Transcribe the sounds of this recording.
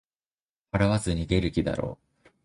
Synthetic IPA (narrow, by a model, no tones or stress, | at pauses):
haɾaβazɨɲ̟iɡe̞ɾɯ̟kʲid̪a̰ɾo̞̰ː